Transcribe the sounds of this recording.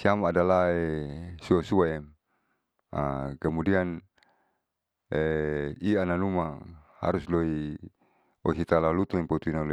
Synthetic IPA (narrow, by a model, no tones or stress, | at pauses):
siamaːdalaesuasuaɛm | a̰kəmudian | eiananumaha̰ɾusloi | o̰sit̪alalut̪uipat̪uinalo